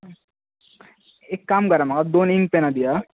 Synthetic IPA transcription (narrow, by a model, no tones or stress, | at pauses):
eːkːaːmkɐɾamɐkad̪oːnĩŋɡpẽnad̪ijaː